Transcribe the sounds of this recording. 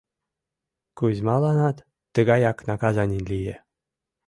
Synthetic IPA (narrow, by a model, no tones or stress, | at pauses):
kuzʲmɑlˠɑnɑt̪ː | ɤ̆ɡɑjɑknɑkɑzɑnʲinʲlʲije